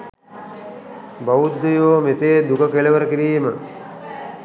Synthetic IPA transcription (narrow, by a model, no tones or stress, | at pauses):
bɐud̪ːujoːmeseːd̪ukəkeleʋɐɾəkiɾiːmə